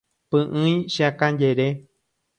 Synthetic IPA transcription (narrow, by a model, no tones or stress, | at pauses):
pɨ̃ʔɨ̃ĩʃiãkãjeɾe